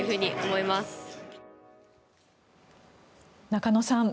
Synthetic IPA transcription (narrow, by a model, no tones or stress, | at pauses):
ɯ̟ɦɯ̟ːɲ̟iʔomo̞imasɨ̥ | nakanosãm